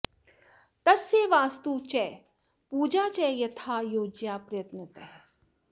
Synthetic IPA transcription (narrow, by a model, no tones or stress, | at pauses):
t̪ɐsːeːʋaːst̪uːt͡ʃɛː | puːd͡ʒaːt͡ʃɛːjɐt̪ʰaːjoːd͡ʒjaːpɾɐjɐt̪nət̪ɛɦ